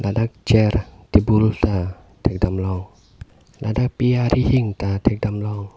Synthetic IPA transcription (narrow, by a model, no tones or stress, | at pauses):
ladak̚d͡ʒɛrt̪ibult̪a | t̪ɛk̚damlɔŋ | lʔadak̚piaɾihiŋt̪at̪ɛk̚damlɔŋ